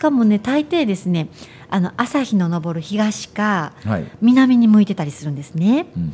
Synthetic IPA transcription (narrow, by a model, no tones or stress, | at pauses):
ɕi̥kamo̞ne̞t̪ait̪e̞ːd̪e̞sɨne̞ | ano̞ʔasaçino̞no̞bo̞ɾɯ̟çiɡaɕi̥ka | mʲinamʲiɲ̟imɯ̟it̪e̞t̪aɾʲisɨɾɯ̟̃nd̪e̞sɨne̞